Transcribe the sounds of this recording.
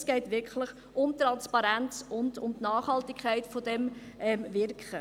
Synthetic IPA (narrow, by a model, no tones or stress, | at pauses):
sɡ̥ɛɪtʋɪɾkʰləχ | ʔʊmt̪ɾɑnspɑɾænt͡sʊndʊmtnɑːχhɑltɪkʰæɪtfɔdɛm | ʔɛmvɪɾkʰχə